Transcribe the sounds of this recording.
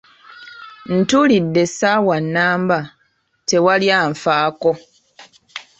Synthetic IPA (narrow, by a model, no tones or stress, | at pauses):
n̩tulidːe̞sawanːaːmba | te̞waljaɱfaːko̞